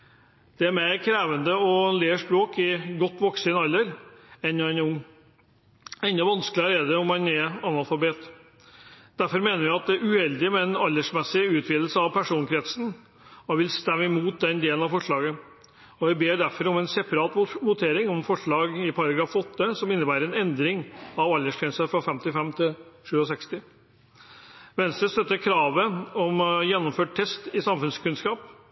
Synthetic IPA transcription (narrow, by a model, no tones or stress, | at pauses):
d̪̥ɛæɾmeɪɾkʰɾeːʋənd̪əɔleːʂpɾoːkɪɡɔt̪ːʋɔksɪnɑlːəɾɛnːɔɛnʊŋː | ɛnd̪ɑʋɑnsklɪɑɾɛd̪ɛɔmɑnɛɾɑnɑlfɑbeːt̪ | d̪̥æɾfɔɾmeːnəɾʋɪɑt̪̚d̪ɛæɾʉhɛld̪ɪmɛɛnɑlːəʂmɛsɪʉːt̪ʰʋiːd̪l̩səɑʋpʰæʂuːnkʰɾɛt̪sn | ɔʋɪlst̪ɛmːəɪmuːt̪̚d̪ɛnd̪eːlənɑfɔʂɭɑːɡə | ɔʋæɪbeːɖæɾfɔɾɔmɛnsɛpɑɾɑːt̪ʋʊt̪ʰeːɾɪŋɔmfɔʂɭɑːɡɪpʰɑɾɑɡɾɑːfɔt̪ːəsɔmɪnːəbæːɾəɾɛnɛnd̪ɾɪŋɑʋɑlːəʂkʰɛnsəfɾɑfɛmt̪ɪfɛmt̪ʰɪlʂʉːɔsɛkst̪ɪ | ʋɛnst̪ɾəst̪œt̪ːəɾkʰɾɑːʋəɔmjɛnːɔmføːʈ̚tʰɛst̪ɪsɑmfʉnskʉnskɑːp